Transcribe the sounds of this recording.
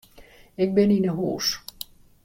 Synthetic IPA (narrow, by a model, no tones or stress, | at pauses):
ɪk̚bɪninəɦṵːs